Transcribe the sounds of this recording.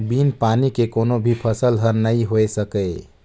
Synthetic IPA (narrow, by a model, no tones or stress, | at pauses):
binpanikekonobʱipʰəsəlɦəɾnəjɦoesəkə